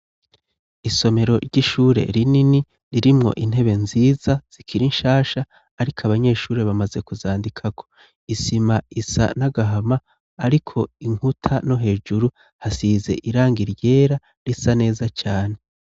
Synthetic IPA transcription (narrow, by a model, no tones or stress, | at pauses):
iso̞me̞ɾo̞̰ɾɟiʃuːɾe̞̰ɾinini | ɾiɾimŋo̞̰ʔin̥e̞βe̞nziːzaz̥ikʰiɾinʃaːʃaː | ɾikʰaβaɲe̞ːʃuːɾe̞βamaze̞kuzaːndikʰakʰo | isimaisa̰naɡaɦamaː | ɾikʰo̞iŋ̥hutʰano̞ɦe̞ːd͡ʒuɾu | hasiːze̞̰ʔiɾaːŋɡiɾje̞ːɾa | ɾisane̞ːzat͡ʃaːne̞